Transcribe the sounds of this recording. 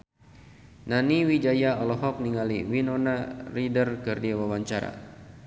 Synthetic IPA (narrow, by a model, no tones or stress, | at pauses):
naniwid͡ʒajaɔlɔɦɔk̚niŋaliwinɔnaridərkərdiawawaɲt͡ʃaɾa̰